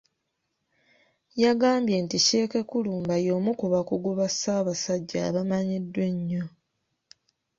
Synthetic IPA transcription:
jaɡaːmbje̞ːntice̞ːke̞kuluːmbajo̞ːmukuβakuɡuβasaːβasaɟːa̰ːβamaɲidːwe̞ɲːo

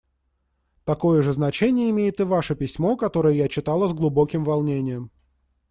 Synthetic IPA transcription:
t̪ɐko̞jəʐɨznɐt͡ɕenʲɪjəɪmʲejɪt̪ɨvaʂəpʲɪsʲmo̞kɐt̪o̞ɾəjəjat͡ɕɪt̪ɑlˠəzɡlˠʊbo̞kʲɪmvɐlˠnʲenʲɪjəm

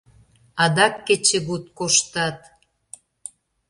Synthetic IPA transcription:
ɑd̪ɑkːĕt͡ɕĕɣut̪koʃt̪ɑt̪

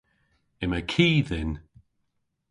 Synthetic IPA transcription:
ɪməkʰiːðɪn

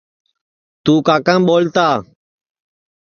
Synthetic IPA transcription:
t̪uːkaːkãːɓoːlt̪aː

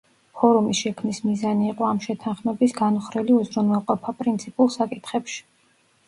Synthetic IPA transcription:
pɔɾumisʃɛkʰmnismizaniːqʼɔamʃɛt̪ʰanχmɛbisɡanuχɾɛliuzɾunwɛlˠqʼɔpʰapʼɾint̪sʰipʼulˠsakʼit̪ʰχɛpʃi̥

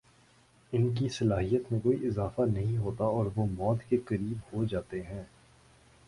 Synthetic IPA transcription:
ɪnk̬isɐlaːɦijət̪mẽkoːiɪzaːfanɐɦĩɦoːt̪aɔːɾʋomɔːt̪kekɐɾiːbhod͡ʒaːt̪eɦɛ̃ː

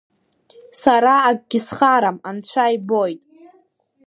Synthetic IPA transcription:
saɾaːɡɡʲɪsχaɾamant͡ɕʷʰajbojtʼ

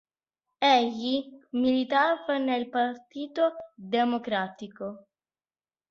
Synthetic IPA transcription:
eʎimilit̪avanelpaɾt̪iːt̪od̪emokɾaːt̪iko

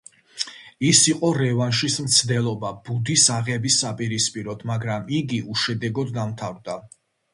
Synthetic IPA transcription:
isiqʼɔɾɛvanʃismt̪sʰd̪ɛlˠɔbab̥ud̪isaʁɛbisːapʼiɾispʼiɾɔt̪ʰmaɡɾamiɡiuʃɛd̪ɛɡɔd̪ːamt̪ʰavɾd̪a

